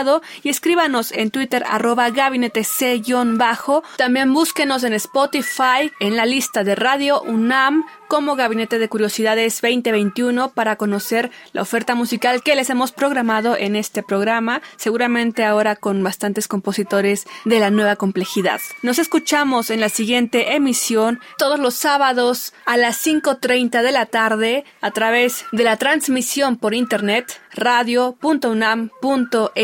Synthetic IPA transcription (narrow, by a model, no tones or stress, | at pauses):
ðoie̞skɾiβano̞se̞nt̪wit̪e̞ɾa̰ro̞βaɣaβine̞t̪e̞seʝo̞nbaxo̞t̪ambje̞mbuske̞no̞s̬e̞nespot̪ifaje̞nlalist̪aðe̞raðjo̞ʔunam | ko̞mo̞ɣaβine̞t̪e̞ðe̞kuɾjo̞siðaðe̞zbe̞jnt̪eβe̞jnt̪juno̞paɾako̞no̞se̞ɾla̰o̞fe̞ɾt̪amusikalke̞le̞se̞mo̞spɾo̞ɣɾamað̞o̞ʔe̞ne̞st̪e̞pɾo̞ɣ̞ɾamase̞ɣuɾamẽ̞nt̪e̞ao̞ɾako̞nbast̪ant̪e̞sko̞mpo̞sit̪o̞ɾe̞zðe̞lanwe̞βako̞mple̞xiða̰ðno̞se̞skut͡ʃamo̞se̞nlasiɣjent̪e̞ʔemisjo̞nt̪o̞ð̞ozlo̞sːaβaðo̞salasːiŋko̞t̪ɾe̞jnt̪aðe̞lat̪aɾðe̞ | at̪ɾaβ̞e̞zðe̞lat̪ɾanzmisjo̞mpo̞ɾint̪e̞ɾnet̪raðjo̞punt̪ounampunt̪o̞ʔe